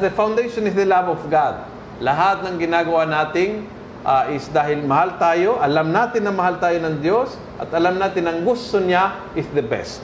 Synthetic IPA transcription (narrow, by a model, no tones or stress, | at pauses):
d̪əfawnd̪ejʃonɪsd̪əlabɔfɡad̪̚ | lɐɦat̪̚nɐŋɡɪnaːɡɐwanaːt̪ɪŋ | ʔaʔɪsd̪aːɦɪlmɐhalt̪aːjo̞ʔɐlamnaːt̪ɪnːɐŋmɐɦalt̪aːjonɐŋd̪jos | ʔɐ̰t̪ɐlamnaːt̪ɪnɐŋɡʊst̪ona | ʔɪsðəbɛ̰st̪